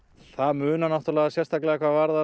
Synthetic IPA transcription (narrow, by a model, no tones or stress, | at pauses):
θaðmʏːnanaht̪ʏɾlɛːɣasjɛst̪ʰaklɛːɣakʰvaɣvaɾða